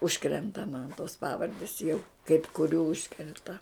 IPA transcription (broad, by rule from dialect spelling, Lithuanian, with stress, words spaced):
ˈʊʃkrʲɛntɐ mɐn toːs ˈpɑːʋɐrʲdʲɪs jɛʊ kɐɪp kʊˈrʲuː ˈʊʃkrʲɛntɐ